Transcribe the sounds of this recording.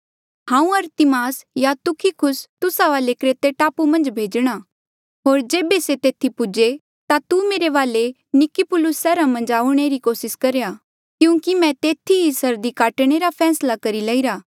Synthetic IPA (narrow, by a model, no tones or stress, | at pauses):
hãːũɐɾt̪imaːsjat̪ʊkʰikʰʊst̪ʊsaʋaːlekɾet̪eʈaːpumɐ̃nd͡ʒbʱeːd͡ʒɽ̃a | ɦoːɾd͡ʒeːbeset̪eːt̪ʰipʊd͡ʒe | t̪at̪umeːɾeʋaːle | nɪkipʊlʊsːɛːɾamɐ̃nd͡ʒaːʊɽ̃eɾikoːsɪskɐɾeja | kjũːkimɛ̃t̪eːt̪ʰiɦisəɾd̪ikaːʈɽ̃eɾapʰɛːslakɐɾilɐːiɾaː